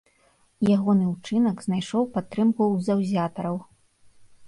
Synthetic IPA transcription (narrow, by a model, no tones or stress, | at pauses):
jaɣɔnɨwt͡ʂɨnɐɡznajʂɔwpat̪ːɾɨmkuzawzʲat̪ɐɾɐw